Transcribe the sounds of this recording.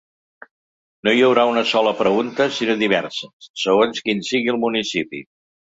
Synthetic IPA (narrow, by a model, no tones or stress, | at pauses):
nojəwɾaunəsɔləpɾəɣunt̪əsinoðiβ̞ɛrsəsəɣonskinsiɣiəlˠmunisipḭ